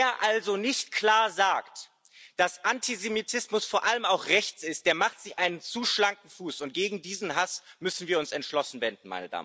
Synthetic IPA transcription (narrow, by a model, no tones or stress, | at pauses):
eːɐʔalzonɪçtkʰl̥aːɐzaːkt | d̥asʔantʰizemitʰɪsmʊsfoːɐʔaləmaʊxʁɛçt͡sɪst̚d̥eːɐmaχtz̥ɪçʔaɪnənt͡suːʃlaŋk̚ŋ̩fuːsʊnt̚ɡ̥eːɡŋ̩diːzn̩ɦasmʏsn̩viːɐʊnsɛntʃlɔsn̩vɛnd̚n̩ma̰ɪnəda̰ːmə